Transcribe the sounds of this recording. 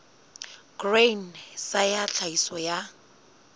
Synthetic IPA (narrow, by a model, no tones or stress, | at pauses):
ɡ̥rensajaɬʰaisɔja